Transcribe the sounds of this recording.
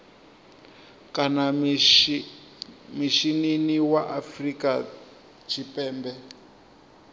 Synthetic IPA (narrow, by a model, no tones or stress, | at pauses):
kana | miʃininiwaʔafrika | t͡ʃʰipɛːmbɛ